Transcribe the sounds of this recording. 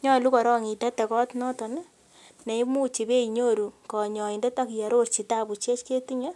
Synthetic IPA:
ɲɔ˦˨lu˦kɔ˨ɾɔ˦ŋi˨tɛ˦tɛ˨kɔ˦tnɔ˦tɔ˨ni˦ | ne˨i˦mu˦t͡ʃi˨pe˦i˨ɲo˦ɾu˨kɔ˨ɲɔ˨i˨ndɛ˦ta˦kja˨ɾo˦rt͡ʃi˨ta˦˨pu˨t͡ʃe˦t͡ʃke˦ti˦ɲɛ˦

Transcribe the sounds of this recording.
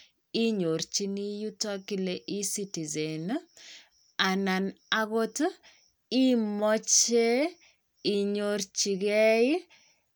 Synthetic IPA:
i˦ɲo˨ɾt͡ʃi˦ni˦ju˦tɔ˦ki˦leʔi˦si˦ti˨ze˨n | a˨na˨na˦ɣo˦t | i˦mɔ˦t͡ʃe˦ | i˨ɲo˦ɾt͡ʃi˨ɣɛ˦

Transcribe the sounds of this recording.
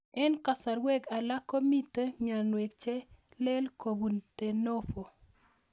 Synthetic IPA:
ɛ˦nka˨sa˨ɾwe˦ɡa˨la˦ko˦mi˦te˦ɲa˨nwe˨kt͡ʃɛ˦ | lɛ˦lko˨bu˨nte˨no˦fo˨

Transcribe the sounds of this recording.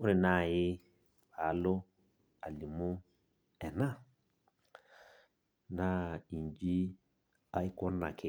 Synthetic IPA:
ʊ˦nɪ˨na˦˨jɪ˦ | βa˨˦lʊ˦ | a˨li˨mʊ˦ | ɛ˨na˦ | na˨i˨nd͡ʒi˦ | a˦i˦kɔ˦n˦na̰˨kʰɪ˦˨

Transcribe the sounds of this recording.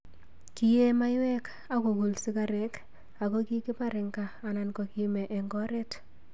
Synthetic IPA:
ki˦je˦ma˦jwɛ˦k | a˦ko˨ku˨lsɪ˦ka˦ɾɛ˨k | a˨ko˦ki˦ki˦pa˦ɾɪ˨ŋkaː˨na˨nko˨ki˦mɛ˨ʔɛ˨ŋɡɔ˦ɾɛ˦t

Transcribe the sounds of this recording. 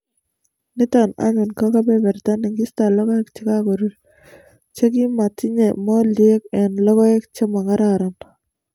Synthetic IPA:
nɪ˦ta˨na̰˦ɲʊ˨nka˦ka˦bɛ˦bɛ˨ɾt̪a˦nɪ˨ŋɡɪ˦sta˨lɔ˦ɡɔ˦ɛ˦k̚t͡ʃɪ˦ka˦kɔ˨ɾuɾ | t͡ʃe˦kɪ˦ma˨tɪ˦ɲe˨mɔ˦li˨e˦kɛ˨nlɔ˦ɣɔ˦e˦k̚t͡ʃe˦ma˨ŋa˦ɾaɾa˨n

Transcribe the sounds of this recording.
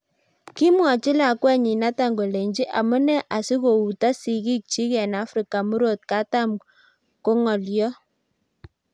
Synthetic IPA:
ki˦mwa˨t͡ʃɪ˦la˨kwɛ˦ɲi˨na˦ta˨ŋɡo˨le˨ɲd͡ʒi˦ʔa˨mɔ˦nɛ˦ʔa˨si˦ko˨u˨ta˦si˨ki˦k̚t͡ʃi˦kɛ˨na˨˦fɾi˨ka˨mu˦ɾo˦˨t̚ka˦ta˦m | ko˦ŋɔ˨ljɔ˦

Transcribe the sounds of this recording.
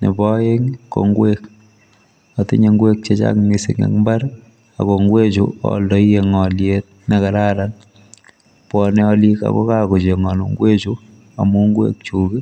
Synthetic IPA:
ne˨bɔ˦je˦ŋko̰˨ŋɡwek | a˨tɪ˦ɲe˦ŋɡwe˦k̚t͡ʃe˦t͡ʃa̰kni˨si˨ŋa̰˨kmba˦ɾ | a̰˨ko˨ŋɡwe˦t͡ʃuɔ̰˨ldɔ˦je˨ŋɔ˨ljet̚ne˨ka˨ɾa˦ɾan | pwɔ˨ne˦ɔ˦li˦ka̰˨ko̰˦ka˦ko˨t͡ʃe˨ŋɔ˨nu˨ŋɡwe˦t͡ʃu˦ | a̰˨mu˦ŋɡwḛ˦k̚t͡ʃu˨ki˦

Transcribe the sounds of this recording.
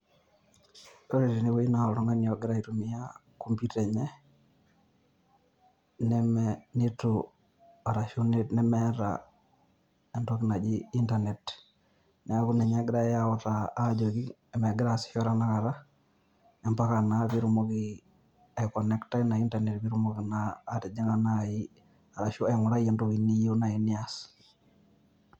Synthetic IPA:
o˦ɾi˨ti˨ni˦wo˦i˦na˨ɔ˨ɾɔ˦ŋa˦ni˨ɔ˨ɡɪ˦ɾa˦i˨tu˨mi˦ja | ko˦mpjutɛ˨ɲɛ˦ | nɛmnitu | a˨ɾa˨ʃu˦netnɛ˦mɛ˦ɾa̰ | ɛ˨ntɔki˦na˨d͡ʒii˦ntane˨t | nɛ˨a˦ku˦nɛ˨ɲa˦ɡɾa˦jaɔ˦taː˦d͡ʒo˨ki | ɛ˨mɛ˨ɡɾasi̥˨ʃɔ˦ɾa˦na˦ka˨ɾa˦ | ɛ˨mpa˦ka˨na˨fi˦ɾu˦mo˦ki | a˨kɔ˨nɛ˦kta˦na˨i˦ntane˨tbi˦ɾu˦mo˦ki˨naː˦ti˨d͡ʒi˦ŋana˦ji | a˨ɾa˨ʃu˦a˨ŋu˨ɾa˦jɛ˨ntɔ˦ki˨ni˦ji˦u˦na˨i˨ni˦as

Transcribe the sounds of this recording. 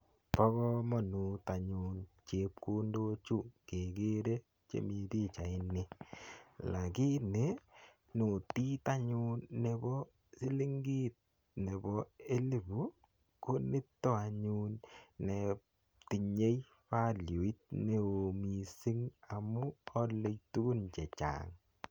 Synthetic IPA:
pɔ˦kɔ˦mɔ˨nu˨ta˨ɲu˨nt͡ʃe˨p̚ko˦ndo˦t͡ʃu˦˨ke˨ke˦ɾe˦ | t͡ʃḛ˦mi˨ti˦t͡ʃa˨ɪ˦ne˨ | la˨ki˦ne˨˦ | no˨ti˦ta˦ɲu˦nːe˨bɔ˦ | si˦li˦ŋɡi˦t̚ | ne˨bɔ˨e˦li˦bu˨ | ko˦nɪ˦tːɔ˦a˨ɲu˦nnːe˨ | ti˨ɲe˦j | fa˦lju˨i˦t̚ne˨o˨mi˨si˦ŋa˨mu˦ɔ˦lːe˦jtu˦ɡu˦nt͡ʃɛ˨t͡ʃa̰˨ŋ

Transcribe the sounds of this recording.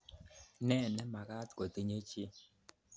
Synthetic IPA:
nɛ˦˨nɛ˦ma˨ka˦t̪ko˨t̪i˦ɲe˦t͡ʃi˦

